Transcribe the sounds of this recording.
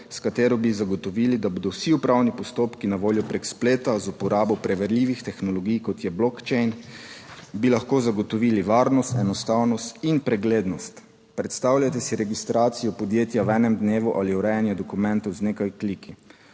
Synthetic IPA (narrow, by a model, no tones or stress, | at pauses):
skat̪eːɾɔbizaɡɔt̪ɔʋiːlid̪aboːd̪ɔwsiupɾawnipɔst̪oːpkinaʋoːljɔpɾekspleːt̪azupɔɾaːbɔpɾɛʋɛɾlʲiːʋixt̪ɛxnɔlɔɡijkɔt̪jɛblɔkt͡ʃɛjn | bilaxkoːzaɡɔt̪ɔʋiliʋaːɾnɔst̪ɛnɔst̪awnɔst̪inpɾɛɡleːd̪nɔst̪ | pɾɛt̪st̪awlʲjat̪ɛsiɾɛɡist̪ɾaːt̪sijɔpɔd̪jeːt̪jawɛːnɛmd̪neːʋuʔaliuɾɛjanjɛd̪ɔkumɛ̃nt̪ɔwzneːkajklikʰi